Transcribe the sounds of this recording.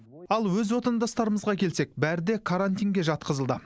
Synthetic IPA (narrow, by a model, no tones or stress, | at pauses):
ɑlˠwɵzwo̞t̪ɑnd̪ɑst̪ɑɾəməzʁɑkʲʰe̞lse̞k̚bæɾɪd̪e̞kʰaɾanʲt̪ijŋɡʲe̞ʒɑt̪qəzəlˠd̪ə